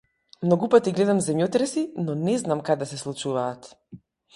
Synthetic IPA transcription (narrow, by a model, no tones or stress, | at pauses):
mnɔɡupat̪iɡlɛd̪amzɛmjɔt̪ɾɛsinɔnɛznamkad̪ɛsɛslˠut͡ʃuvaːt̪